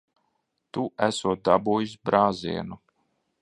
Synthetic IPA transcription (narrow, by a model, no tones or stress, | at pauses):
t̪uʔæsuɔt̪̚d̪a̰buːjisbɾaːzḭɛnu